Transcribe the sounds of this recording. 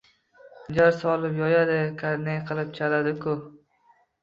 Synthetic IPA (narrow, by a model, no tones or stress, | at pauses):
d͡ʒaɾsɒlˠɪpjɒjad̪ɪkʰaɾnejqʰɨlˠɪp̚t͡ʃʰalad̪ɪkʰʊ